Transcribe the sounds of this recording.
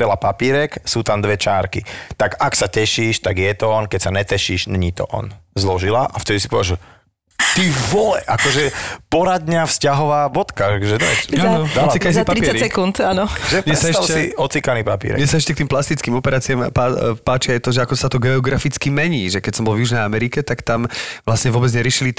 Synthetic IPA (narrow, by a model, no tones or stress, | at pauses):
pɛlapapiːɾɛksuːt̪amd̪ʋɛt͡ʃaːɾkḭt̪aɡaksacɛʃiːʃt̪aɡjɛt̪ɔɔnkɛcsaɲɛt̪ɛʃiːʒnɲiːt̪ɔ̰ʔɔ̰nzlɔʒilaʔaft̪ɛd̪isi̥pɔʋɛʒ | t̪iʋɔlɛʔakɔʒɛpɔɾad̪ɲafscaɦɔʋaːbɔt̪kakʒɛɲɛanɔd̪alat͡sikkasipaɾipːaɾsɛkunt̪anɔʒɛmɛsaɛtʃaɛsiɔt͡sikaniːpapḭɾɛ̰mɲɛsaɛʃcɛkt̪iːmplast̪it͡skiːmɔpɛɾaːt͡siamapaːt͡ʃiajt̪ɔʒɛakɔsat̪ɔɡɛɔɡɾafit͡skimɛɲiːʒɛkɛcsɔmbɔlvjuʒnɛjamɛɾikɛt̪akt̪amʋlasɲɛvʊɔbɛd͡zɲɛɾɪɛʃili